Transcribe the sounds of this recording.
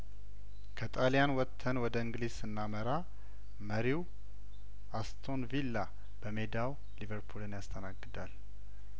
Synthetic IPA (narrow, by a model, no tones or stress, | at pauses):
kʰət̪ʼalijanwɔt̪ʰːənwɔd̪əɨŋɡliz̥sɨnːaməɾa | məɾiw | ʔast̪ʰo̞nvilːa | b̥əme̞d̪aw | livəɾpʰulɨnjast̪ʰənaɡːɨd̪al